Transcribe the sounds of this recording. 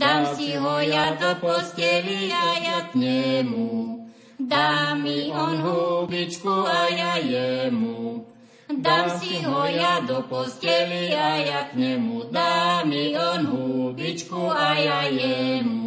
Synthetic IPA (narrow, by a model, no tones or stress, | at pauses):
d̪amsiɦɔjad̪ɔpɔscɛliaajakɲɛmu | d̪amiɔnɦubit͡ʃkuajajɛmu | d̪amsiiɦɔjad̪ɔpɔscɛʋiajakɲɛmud̪amiɔnɦubit͡ʃkuajajɛmu